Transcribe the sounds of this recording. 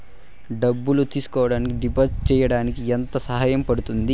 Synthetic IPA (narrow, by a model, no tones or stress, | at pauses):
ɖɐbːulut̪iːsu̥kɔːʋɐɽaːnikiɖipɐst͡ʃɛːjɐɽaːnikient̪ɐsɐɦaːjɐmpɐɽut̪und̪i